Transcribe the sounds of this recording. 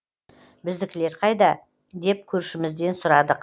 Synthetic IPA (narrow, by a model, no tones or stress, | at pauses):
bɪzd̪ɪkʲle̞ɾqʰɑjd̪ɑ | d̪e̞p̚kʲʰɵɾʃɪmɪzd̪e̞nsʊɾɑd̪əq